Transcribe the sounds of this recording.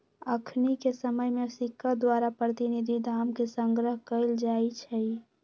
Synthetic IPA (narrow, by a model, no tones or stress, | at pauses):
əkʰnikesəməjmẽsɪkʰːəd̪waːɾapɾət̪inid̪ʱid̪ʱaːmkesə̃ŋɡɾəɦkəɪld͡ʒaːit͡ʃʰɛi